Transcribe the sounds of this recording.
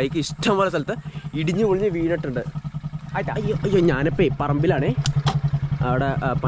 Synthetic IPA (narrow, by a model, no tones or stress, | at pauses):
ɐjikʲːɨiʂʈʰɐmʋɐlɐsɐlɐt̪ːɨiɽiɲːɨʋuɭiɲːɨʋiːnɐʈːuɳɖɨaːjt̪ːaɐjːoːʔɐjːoːɲaːnɐpːeːpɐrɐmbilaːɳeː | ɐʋiɽepɐ